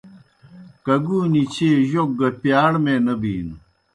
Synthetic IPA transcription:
kɐɡuːnit͡ɕʰeːʑok̚ɡɐpjaːɽmenɐbiːn

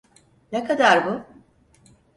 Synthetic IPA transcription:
nekʰad̪aɾbʊ

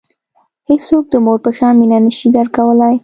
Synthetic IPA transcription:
hessok̚d̪əmoɾpəʃɑnminanəʃid̪aɾkawəlaj

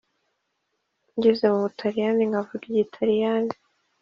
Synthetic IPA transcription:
ɲɟezemuβutʰaɾijaniŋɡavuɡjitʰaɾijani

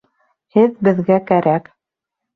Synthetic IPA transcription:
hɘðbɘ̆ðɡækæɾæk

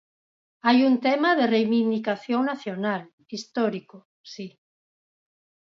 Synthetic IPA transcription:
ajunt̪emaðerejβind̪ikaθjõŋnaθjonal | ist̪ɔɾiko | si

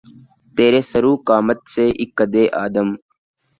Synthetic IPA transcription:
t̪eːɾeːsəɾuːkaːmət̪seːʔɪkːəd̪eːʔa̰ːd̪əm

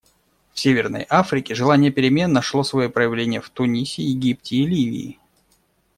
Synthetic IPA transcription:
fsʲevʲɪrnə̰jafɾʲɪkʲɪʐɨlˠanʲɪjəpʲɪɾʲɪmʲe̞nːəʂlˠosvɐjipɾəjɪvlʲenʲɪjəft̪ʊnʲisʲɪjɪɡʲiptʲɪːlʲivʲɪ̰ː

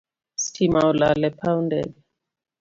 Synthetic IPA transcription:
stʰimaɔlalɛpaundɛ̰ɗɛ

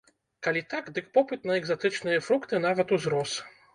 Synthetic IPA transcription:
kalʲit̪akd̪ɨkpɔpɨt̪nɐɛɡzat̪ɨt͡ʂnɨjɐfɾukt̪ɨnavɐt̪uzɾɔs

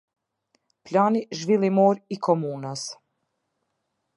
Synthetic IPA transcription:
pʎʲaniʒʋilimoːɾikʰomuːnas

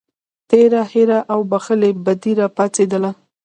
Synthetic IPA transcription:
t̪eɾaheɾaʔawbaxəlebad̪iɾapat͡sed̪əla

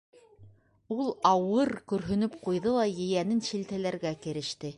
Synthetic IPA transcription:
ulˠɑwɤɾkɵ̆ɾɦɵ̆nɵpqujðɤlˠɑjɘ̆jænɘnɕilt̪ælæɾɡækɘ̆ɾɘ̆ʃt̪ɘ

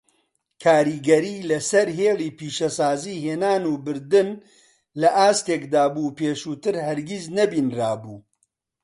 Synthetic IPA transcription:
kʰaːɾiːɡɐɾiːlɐsɐɾɦeːliːpiːʃɐsaːziːɦeːnaːnuːbɨɾd̪ɨn | lɐʔaːst̪eːkd̪aːbuːpeːʃuːt̪ɨɾhɐɾɡiznɐbiːnraːbuː

